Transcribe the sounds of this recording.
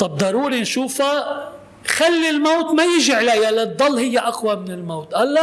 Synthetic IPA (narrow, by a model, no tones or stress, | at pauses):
t̪ˤɑb̚d̪ˤɑɾˤuːɾinʃuːfa | xalːilmowt̪majɪʒiʕlajːalːɪd̪ˤːɑlːhɪjːaʔaxwamɪnɪlmoːt̪ʔalːa